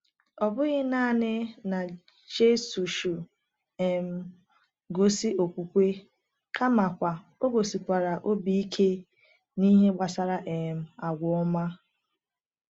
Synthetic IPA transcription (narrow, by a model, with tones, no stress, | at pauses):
ɔ˨bʊ˦ɣɪ˦naː˦˨nɪ˦na˨ | d͡ʒe˦su˨ʃu˨ | e˨m̩˨ | ɡo˨si˦o˨kʷu˨kʷe˦ | kʰa˦ma˨kʷa˨ | o˦ɡo˨si˨kʷa˨ɾa˨ʔo˦bi˨i˦kʰe˦ | ni˦ɦe˦ɡ͡ba˨sa˨ɾa˨ʔe˨m̩˨a˨ɡʷɔ˨ɔ˦ma˦